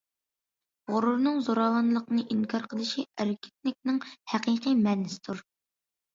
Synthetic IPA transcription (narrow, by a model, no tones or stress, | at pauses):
ʁʊɾuɾnɨŋzoɾɑwɑnlˠəqnɨʔiŋkʰɑɾqʰəlˠɨʃiæɾkʲɪ̥t̪̚nɪk̚ʲnɨŋhæqijqimɛnːɪsɪ̥d̪uɾ